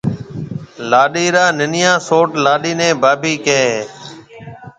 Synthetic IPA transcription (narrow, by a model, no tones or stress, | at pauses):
laːɗiːɾaːnɪnɪjãːsoːʈlaːɗiːnẽːbaːbiːkeː